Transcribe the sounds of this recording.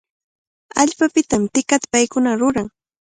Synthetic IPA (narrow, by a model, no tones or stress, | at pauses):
aʎpapɪt̪amt̪ɪkat̪ḁpajkʊnaɾʊɾaŋ